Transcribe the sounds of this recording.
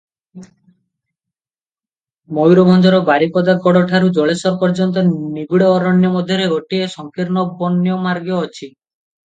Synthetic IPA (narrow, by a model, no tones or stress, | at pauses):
mojɾobʱɔnd͡ʒɔɾɔbaɾikɔd̪aɡɔɽɔʈʰaɾud͡ʒɔɭesɔɾpɔɾd͡ʒɔnt̪ɔniɡuɽeːɾɔnjɔmɔd̪ʱjɔɾeɡoʈiesɔŋkiɾnɔbɔnːjɔmaɾɡjɔːt͡ʃʰi